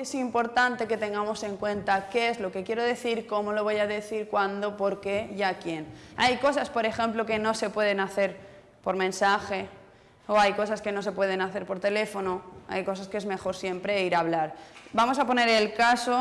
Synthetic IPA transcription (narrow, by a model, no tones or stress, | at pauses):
esimpo̞ɾt̪ant̪e̞ke̞t̪e̞ŋɡamo̞se̞ŋkwe̞nt̪ake̞ezlo̞ke̞kje̞ɾo̞ðe̞θiɾko̞mo̞lo̞βojaðe̞θiɾkwand̪o̞po̞ɾke̞ʝakje̞najko̞saspo̞ɾe̞xẽ̞mploke̞no̞se̞pwe̞ð̞e̞naθe̞ɾ | po̞ɾmẽ̞nsaxe̞ | oajko̞saske̞no̞s̬e̞pwe̞ð̞e̞naθe̞ɾpo̞ɾt̪e̞le̞fo̞noa̰jko̞s̬askezme̞xo̞ɾsje̞mpɾe̞iɾaβ̞laɾbamo̞sapo̞ne̞ɾe̞lkaso